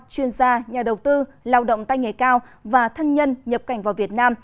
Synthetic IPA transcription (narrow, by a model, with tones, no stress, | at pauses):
t͡ɕwi˧ənzaː˧ɲaː˨˩ɗə˨˩wt̪ɨ˧laː˧wɗə̰˧˨wŋ͡mt̪a˧jŋe˨˩kaː˧wvaː˨˩t̪ʰə˧nɲə˧nɲə˨˩p̚ka˨˧˩jŋ̟vaː˨˩wvi˨˩ət̚naː˧m